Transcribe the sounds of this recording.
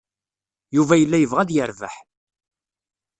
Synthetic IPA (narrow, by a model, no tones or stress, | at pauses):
juvæjəlːæjəvʁæd̪jəɾvə̰ħ